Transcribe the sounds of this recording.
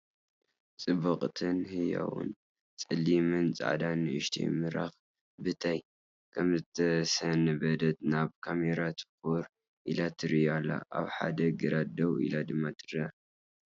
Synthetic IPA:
t͡sʼɨbɐχʼt̪ʰɨnhɨja̰wʊ̰n | t͡sʼɨlːimɨnt͡sʼa̰ʕd̪anɨʔɨʃt̪ʰḭjmɨɾa̰x | bɨt̪ʰaj | kʰɐmzɨt̪ʰɐsɐnɨbɐd̪ɐt̪̚naβkʰameɾat̪ʰɨ̥foɾ | ʔilat̪ʰɨɾɨjalːa̰ʔa̰βħa̰d̪ɐɡɨɾad̪ɐwḭlad̪ɨmːat̪ʰɨɾɨa

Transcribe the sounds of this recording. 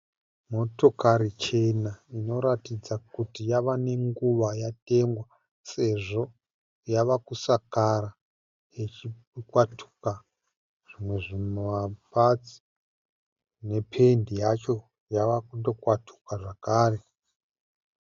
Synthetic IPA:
mo̞to̞kaɾit͡ʃe̞naino̞ɾatid͡zakutijaʋane̞ŋɡuʋajate̞ŋɡwa | se̞ʐo̞ | jaʋakusakaɾa | jet͡ʃi | kwatʰu̥ka | ʐ̥imwe̞ʐimoʋapat͡si̥ | ne̞pʰe̞ndijat͡ʃo̞ | jaʋakundo̞kwatʰu̥kaʐakaːre̞

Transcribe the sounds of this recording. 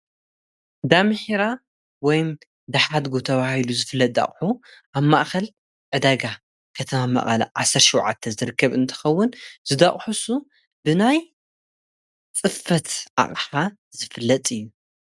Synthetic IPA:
d̪amɨħiɾa | wɔjm | d̪ɐħad̪ɡot̪ʰɐβahiluzɨfɨlːɐt̪̚ʼd̪a̰χʼħuʔaβmaʔxɐl | ʕɨd̪aɡa | kʰɐt̪ʰɐmama̰ʔxɐl̰ʕasɐɾt̪ʃɪwʕa̰t̪ʰːɐzɨɾɨkʰːɐβɨnt̪ʰɨ̥xɐwːʊnz̥ɨd̪aχʼħusu | bɨnaj | t͡sʼɨfːɐt̪ʔa̰χʼħa | zɨfɨlːɐt̪ʼɨjːu

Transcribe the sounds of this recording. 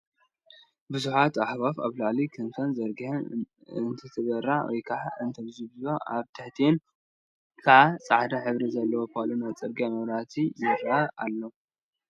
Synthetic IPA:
bɨzuħat̪aħβafaβlaʕlikʰɨnt̪ʰonzɐɾɡh | ɨnt̪ʰɐt̪ʰɨβɐɾːawɔ̰jkʰaʕaɨnt̪ʰɐβzibɨzuoʔaβt̪ʰɐħt̪ʰien | kʰaʕat͡sʼaʕd̪ɐħɨβɾizɐlːɐwopʰalonat͡sʼɐɾɡijamɐβɾat̪ʰizɨɾaa̰lːo

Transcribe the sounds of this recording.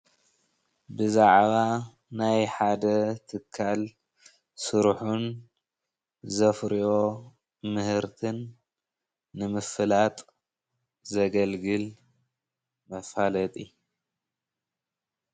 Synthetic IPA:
bɨzaʕβa | najħad̪ɐt̪ʰɨkʰːal | sɨɾħun | zɐfɾiʔo̞ | mɨhɨɾt̪ʰɨn | ɨmɨfɨlat̪ʼ | zɐɡɐlɡɨl | mɐfalɐt̪ʼi

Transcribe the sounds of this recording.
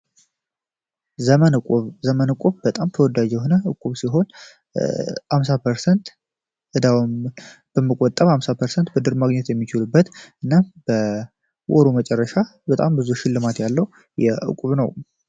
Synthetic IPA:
əmnʼuβzəmənɨkʼuβbət̪ʼamt̪ʰəwɔd̪ad͡ʒjɛɦo̞nəʔɨkʼːuβsiɦo̞n | hamsapʰəɾsɛnt̪ | ʔɨd̪awmb̥əmːəkʼɔt̪ʼːəβhamsapʰəɾsɛnt̪bɨd̪ɨɾmaɡɲɛt̪jɛmːit͡ʃɪlubːət̪ʔɨnːab̥ə | wʔɔɾomət͡ʃʼɛrːəʃabət̪ʼambɨzuʃɪlːɨmat̪jalːəwu | jɛʔɨ̰kʼuβnəw

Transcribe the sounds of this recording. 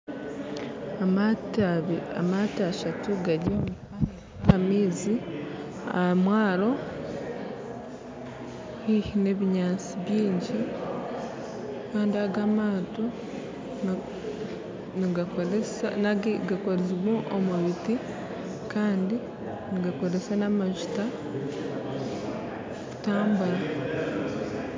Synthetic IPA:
amaːtiaʃatuɡaɟaomufane | amiːzi | a̰mwaːɾo̞ | hihine̞βiɲaːnt͡siβjiːɲɟi | kaːndiaɡamaːto | niɡsnaɡiɡakoɾeziβwoʔomuβiti | kaːndi | niɡako̞ɾesanamaʒuta | ku̥taːmbuɾa

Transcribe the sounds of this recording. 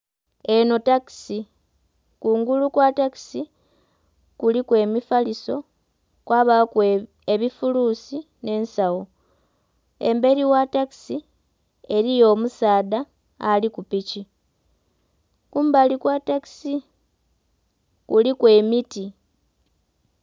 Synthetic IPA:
e̞no̞taki̥si | kuːŋɡulukwataki̥si | kulikwe̞ːmifaliso̞ | kwaβak | eβifuluːsi | ne̞ːnsawo | e̞̰mbe̞ɾiwataki̥si | e̞ɾijo̞ːmusaːdaː | likupici | kuːmbalikwataki̥si | kulikwe̞ːmiti

